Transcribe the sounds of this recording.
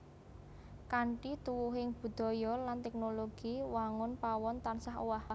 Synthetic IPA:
kaɳʈit̪uwuɦɪŋb̥ṳd̪̥ɔ̤jɔlant̪ɛk̚noloɡ̥iwaŋʊnpawɔnt̪ansaɦwah

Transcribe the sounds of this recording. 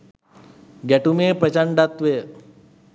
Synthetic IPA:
ɡɛʈumeːpɾət͡ʃɐɳɖat̪ʋe

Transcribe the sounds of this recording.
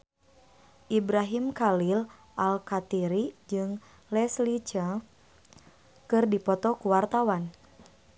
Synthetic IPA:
ʔibɾaɦimkalil | ʔalkat̪iɾid͡ʒɨŋ | lɛslit͡ʃa | kɨrdipɔt̪ɔkuwart̪awan

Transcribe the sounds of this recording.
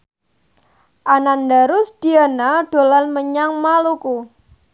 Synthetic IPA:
ʔanandaɾʊsd̥ianaɖ̥o̤lanməɲaŋmaluku

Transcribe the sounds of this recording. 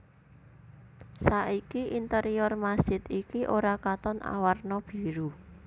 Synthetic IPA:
saikiʔint̪əɾijɔrmasɪt̪ikiʔoɾakat̪ɔna̰warnɔb̥i̤ɾu

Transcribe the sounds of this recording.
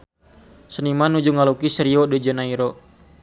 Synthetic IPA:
sənimanud͡ʒuŋalukisəɾiɔdɛd͡ʒənaiɾɔ

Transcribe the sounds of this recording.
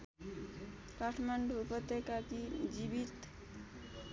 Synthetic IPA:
kaʈʰmaɳɖuːpʌt̪ːekakid͡ʒibit̪

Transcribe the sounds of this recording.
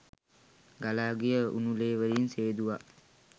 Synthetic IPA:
ɡalaːɡijəṵnuleːʋəɾinseːd̪uʋa

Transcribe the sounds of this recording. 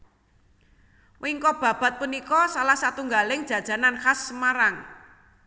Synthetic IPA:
wiŋkɔb̥ä̤b̥a̤t̪̚punikɔsalahsat̪uŋɡalɪŋd̥ʒ̥ä̤d̥ʒ̥ä̤nanxasmaɾaŋ

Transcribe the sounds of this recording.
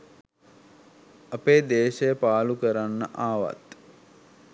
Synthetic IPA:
apeːd̪eːʃejəpaːlukəɾanːə̰ʔaːʋa̰t̪

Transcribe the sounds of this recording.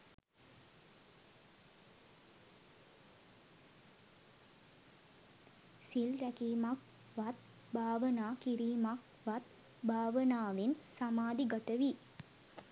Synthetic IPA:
silɾɛkiːmak | ʋat̪̚ | bʱaːʋənaːkiɾiːmak | ʋat̪ | bʱaːʋənaːʋinsamaːd̪iɡɐt̪əʋi

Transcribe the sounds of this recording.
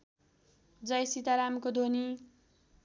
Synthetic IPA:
d͡zʌjsit̪aɾamkod̪ʱoni

